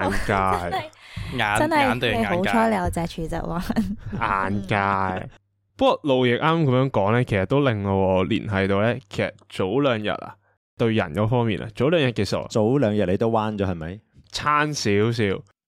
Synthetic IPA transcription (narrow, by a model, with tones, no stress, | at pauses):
a˨˥nkaː˧jŋaː˨˥ɐ˥nhɐ˨jnt̪o˧˨ho˨˥wt͡ʃːʰɔː˥le˨˧jɐ˨˩t͡sɛː˨˧t͡ʃʰyː˨˧˩t͡sɐ̰˨˩kwaː˥nʔaː˨˩nkaː˧j | pɐ˥kɔ˨lo˨wjɪ˨k̚ʔaː˥maː˥kɐ˨˥mjœː˨˥ŋkɔː˨˥ŋlɛː˥kʰe˨˩sɐ˨t̪o˥wlɪ˨ŋɔ˨˧ɔː˨˧lḭː˨˩nɦɐ˨jt̪o˨wlɛː˥kʰe˨˩sɐ˨t̚t͡so˨˥wlœː˨˧ŋjɐ̰˨t̚a̰˨ | t̪ɵ˧ɥjɐ̰˨˩nkɔː˨˥fɔː˥ŋmiː˨nʔa̰ː˨t͡so˨˥wlœː˨˧ŋjɐ˨˩t̚ke˨˧sɐ̰˨˩w̰t͡so˨˥wlœː˨˧ŋjɐ˨t̚le˧jt̪o˥wwaː˥nt͡ʃɔː˨˥hɐ˨jmɐ˨˥jt͡sʰaː˥nsiː˨˥ws̬iː˨˥w